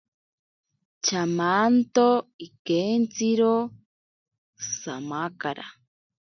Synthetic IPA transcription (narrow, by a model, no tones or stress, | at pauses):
t͡ʃamant̪oikent͡siɾo | samakaɾa̰